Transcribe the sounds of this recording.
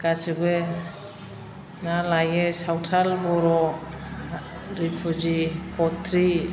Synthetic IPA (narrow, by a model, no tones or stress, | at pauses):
ɡ̥asibe | nalajesawtʰalbɔɾɔ | ɾipʰuzikɔt̪ʰɾi